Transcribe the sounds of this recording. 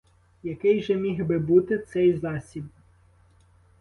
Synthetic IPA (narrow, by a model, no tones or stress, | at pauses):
jɐkɪjʒɛmʲiɦbɪbut̪ɪt̪sɛjzɑsʲib̪